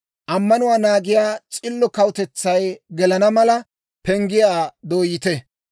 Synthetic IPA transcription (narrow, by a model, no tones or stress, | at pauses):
ʔɐmːɐnʊwaːnaːɡɪjaːt͡sʼɪlːɔkɐwʊt̪ɛt͡sːɐjɡɛlɐnɐmɐlɐ | pɛŋɡɪjaːd̪oːjɪt̪ɛ